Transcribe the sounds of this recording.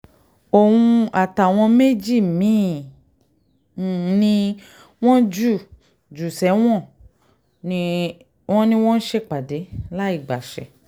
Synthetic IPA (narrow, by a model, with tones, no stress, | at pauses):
o˨wũ˧a˨ta˨w̃ɔ̃˧me˦d͡ʒi˦˨mĩ˨˦˨ | nĩ˧ | w̃ɔ̃˦d͡ʒu˦˨ | d͡ʒu˨sɛ˨˦w̃ɔ̃˦˨ | nĩ˧ | wɔ̃˦nĩ˦w̃ɔ̃˦n̩˦ʃe˧k͡pa˨de˨˦la˦i˦˨ɡ͡ba˨ʃɛ˨